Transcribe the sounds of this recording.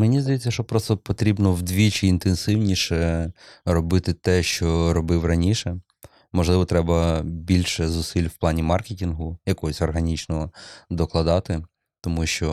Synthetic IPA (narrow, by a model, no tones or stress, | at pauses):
menʲizd̪ɐjɛt͡sʲːɐʃt͡ʃɔpɾɔst̪ɔpɔt̪ɾʲibnɔwd̪ʋʲit͡ʃɪːnt̪ensɪwnʲiʃɛ | ɾɔbɪt̪ɪt̪ɛʃt͡ʃɔɾɔbɪwrɐnʲiʃɛ | mɔʒlˠɪʋɔt̪ɾɛbɐbʲilʲʃɛzʊsilʲwplˠɑnʲimɑrketʲinɦʊjɐkɔɦɔsʲɔrɦɐnʲit͡ʃnɔɔd̪ɔklˠɐd̪ɑt̪ɪ | t̪ɔmuʃt͡ʃɔ